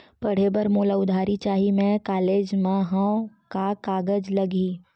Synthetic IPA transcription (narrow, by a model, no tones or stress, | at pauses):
pɐɽ̤ebəɾmoːlaʊd̪ʱaːɾit͡ʃaːɦimẽkaːleːd͡ʒmãɦãkakaːɡəd͡ʒlɐɡiː